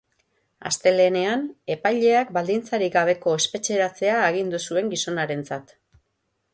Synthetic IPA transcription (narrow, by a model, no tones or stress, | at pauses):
a̰st̪e̞le̞ːne̞ane̞pajʎe̞akbald̪int͡saɾiɡaβ̞e̞ko̞e̞spe̞t͡ʃe̞ɾat͡se̞aeɣ̞ind̪usue̞ŋɡiso̞naɾe̞nt͡sat̪